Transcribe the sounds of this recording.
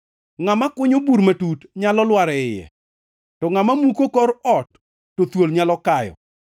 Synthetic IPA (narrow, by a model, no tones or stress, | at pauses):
ŋamakʊɲobuɾmatutɲalɔlwaɾɛɪjɛ̰ | tɔŋamamukokɔɾɔtː | ot̪wolɲalɔkajɔ̰